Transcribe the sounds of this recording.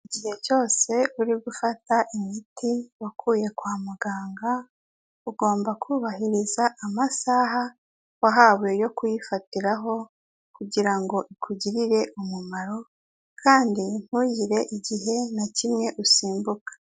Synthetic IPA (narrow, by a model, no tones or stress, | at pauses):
iɟihe̞t͡ʃo̞ːse̞uɾiɡufataʔimitiwakʰuːje̞kwaːmuɡaːŋɡa | uɡo̞ːmbakʰuːβaɦiɾizaʔamasaɦa | waɦaβwejo̞kujifatiɾaɦo̞ | kuɟiɾaŋɡo̞ʔikʰuɟiɾiɾe̞ʔumumaɾo̞ | kʰaːndin̥hujiɾe̞ʔiɟiɦe̞nacimŋe̞ʔusiːmbukḁ